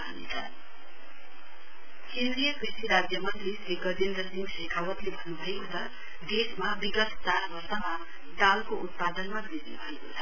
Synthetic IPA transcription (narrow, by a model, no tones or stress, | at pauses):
ɦnḛt͡sʰʌ̰ | kend̪rijʌkrisiɾad͡zjʌmʌnt̪risleɡʌd͡zend̪ʌsiŋɡsekʰawʌt̪lebʱʌnːubʱʌekot͡sʰʌ | d̪esmabiɡʌt̪t͡saɾbʌrsʌma | d̪alkoʔut̪̚pad̪ʌnmabiɾnubʱʌekot͡sʰʌ